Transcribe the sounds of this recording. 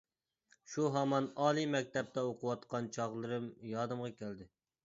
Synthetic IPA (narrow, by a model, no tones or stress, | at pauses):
ʃuɦɑmɑnɑːlˠimɛk̚ʲt̪ɛp̚t̪ɛoqʊwɑt̪qɑnt͡ʃʰɑʁlˠɨɾɨmjɑd̪ɨmʁɑkʲæld̪ɪ